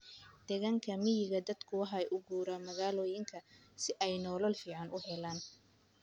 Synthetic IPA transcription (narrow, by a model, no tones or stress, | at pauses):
d̪̥ɛɣaŋkʰɐmɪjɪɣɐd̪ɐd̪kʰʊwɑħɐɛʔʊɡuːɾamɐɣaːlɔːjɪŋkʰɐ | sɪʔɛjnɔːlɔlfiːʕɑnʔʊɦɛlaːn